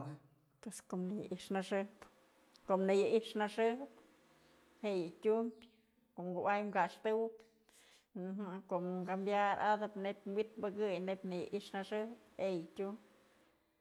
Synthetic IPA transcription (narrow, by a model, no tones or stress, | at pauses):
pweskomnɨj̰ʔiʂnaʂɨhp | komnɨjɨʔiʂnaʂɨhp | heʔjɨtʲumpʲ | koʔmɡuʔajmɡaʂt̪ɨwp | nɦakoʔmɡambjaɾad̪ɨpnepʲwit̪̚bɨkɨjnebʲnɨja̰ʔiʂnaʂɨhp̚hejɨtʲumpʲ